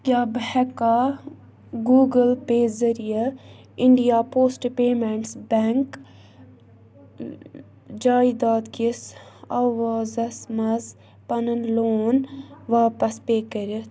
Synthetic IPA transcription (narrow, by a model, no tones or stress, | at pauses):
kʲaːbhɛkaː | ɡuːɡəlpeːzɐɾijɐ | ɪɳɖijaːpoːsʈpeːmeɳʈsbɛːŋk | d͡ʒaːid̪aːd̪kisɐʋaːzɐsmɐz | pɐnənloːnʋaːpɐspeːkɐɾʲi